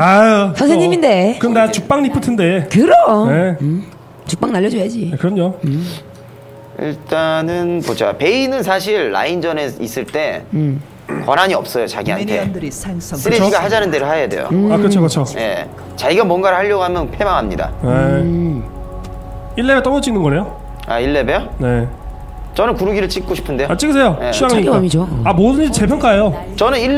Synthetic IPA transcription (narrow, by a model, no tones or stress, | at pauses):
asʌns̬ʰeɲiminde̞kɯmnat͡ɕuk̚p͈aŋɲipʰɯtʰɯnde̞kɯɾʌne | t͡ɕuk̚p͈aŋnaʎːʌd͡ʑojad͡ʑikɯɾʌɲo | ḭɭt͈anɯnmod͡ʑa̰jpe̞inɯnsʰaɕ̬ʰiɭːa̰ind͡ʑʌneis͈ɯɭt͈e̞ | kwʌnaɲiʌp̚s͈ʌjot͡ɕaɡiɦa̰ntʰe̞ndiŋsɯɾeoiɡaɦad͡ʑanɯndeɾɯɭɦajade̞̰jo̰akɯɾʌt͡ɕʰokɯt͡ɕʰoje̞̰ | t͡ɕaiɡamwʌnɡaɾɯhaʎːʌɡoɦamjʌnpʰemaŋɦamɲḭda̰e | iɭːebet͈ʌmʌt͡ɕ͈iŋnɯnɡʌejo | a̰iɭːe̞bene̞ | t͡ɕʌnɯnkuɾuɡiɾɯɭt͡ɕ͈ʰik͈oɕʰi̥pʰɯndeoat͡ɕ͈iɡɯs̬ʰe̞jojeɕʰiaŋaɲiad͡ʑoamodɯnd͡ʑit͡ɕepʰjʌŋk͈aejot͡ɕʌnɯni